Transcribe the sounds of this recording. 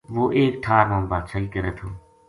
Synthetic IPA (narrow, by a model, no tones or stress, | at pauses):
ʋoːʔeːk̚ʈʰaːɾmãːmbaːt͡ʃʰəiːkəɾeːt̪ʰoː